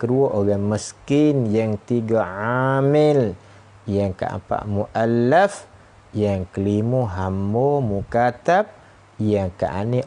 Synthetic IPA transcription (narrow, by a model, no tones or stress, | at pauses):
kəduaʔoɡanməskɪnjaŋt̪iɡaʕamɪl | jaŋka̰ʔa̰pa̰ʔmuʔalːəf | jaŋkəlimuɦambɔmukat̪ap̚ | jaŋka̰ʔa̰neʔ